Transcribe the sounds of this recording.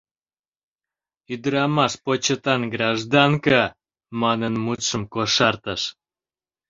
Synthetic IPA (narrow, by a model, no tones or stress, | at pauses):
yd̪əɾɑmɑʃpot͡ɕət̪ɑnɡɾɑʒd̪ɑŋkə | mɑnənmut̪ʃəmkoʃɑrt̪əʃ